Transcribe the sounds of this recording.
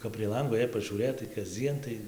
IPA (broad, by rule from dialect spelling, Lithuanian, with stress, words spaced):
kɐp pʲrʲiɛ ˈlˠɐŋɡoː jɛɪ pɐʒʲuːˈrʲeːtɐɪ kɐzʲˈd͡zʲiɛn tɐɪ